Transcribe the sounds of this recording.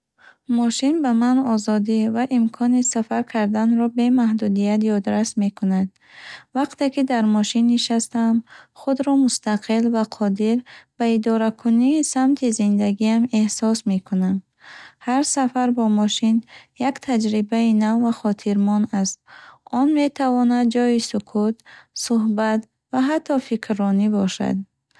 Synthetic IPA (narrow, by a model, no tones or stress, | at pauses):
mɔʃinbamanɔzɔd̪ivaʔimkʰɔnisafaɾkʰaɾd̪anɾɔbe̞mahd̪ud̪ijat̪jɔd̪ɾasme̞kʰunad̪ | vaqt̪e̞kid̪aɾmɔʃinːiʃast̪amχud̪ɾɔmust̪ʰaqʰilvaqʰɔd̪iɾb̥aid̪ɔɾakʰuniːsamt̪ʰizind̪aɡiame̞hsɔsme̞kʰunam | haɾsafaɾbɔmɔʃinjakt̪ʰad͡ʒɾibainavvaχɔt̪ʰiɾmɔnast̪̚ɔnme̞t̪ʰavɔnad̪̚d͡ʒɔisukʰut̪suɦbat̪ | vaɦat̪ʰːɔfikʰɾːɔnibɔʃa̰d̪̚